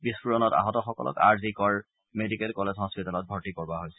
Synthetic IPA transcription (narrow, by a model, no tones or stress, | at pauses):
bispuɹɔnɔta̰ɦɔtɔxɔkɔ̰lɔ̰ka̰ɹzikɔɹ | medikɛlkɔlezʱɦɔspitalɔt̚bʱɔɹtikɔɹbaɦojsɛ